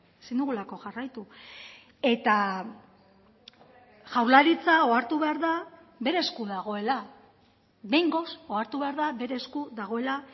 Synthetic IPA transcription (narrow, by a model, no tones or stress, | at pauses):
sind̪uɣulako̞ʝarajt̪u | e̞t̪a | ʝawlaɾit͡sao̞aɾt̪uβe̞aɾða | βe̞ɾe̞skuðaɣ̞o̞e̞la | βe̞jŋɡo̞so̞aɾt̪uβe̞aɾðaβe̞ɾe̞skuðaɣ̞o̞e̞la